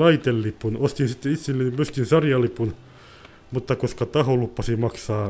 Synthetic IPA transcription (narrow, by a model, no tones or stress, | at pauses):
ɑit̪elːipːˑunost̪insit̪ːeit̪silːemyøskinsɑrjɑlipun | mut̪ːɑkoskɑt̪ɑholupːɑsimɑksɑː